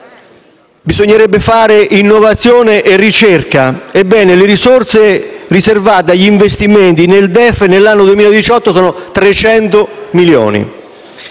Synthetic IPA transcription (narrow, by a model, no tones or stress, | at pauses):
bizoɲːeɾɛbːɪfaːɾɪʔinːovat̪sːjɔːneʔɪrːit͡ʃɛrkaebːɛːnɪlɪɾisort̪seriservaːt̪̬eaʎːiiɱvest̪iment̪ineld̪ɛfːnelːanːod̪uwemiːlad̪it͡ʃɔt̪ːosɔːnʊt̪ɾet͡ʃɛnt̪ʊmiljɔ̰ːnḭ